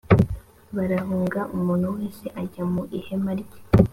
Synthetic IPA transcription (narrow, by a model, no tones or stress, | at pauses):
βaɾaɦuːŋɡaʔumuːn̥uweːnse̞ʔaɟamuʔihemaɾɟe̥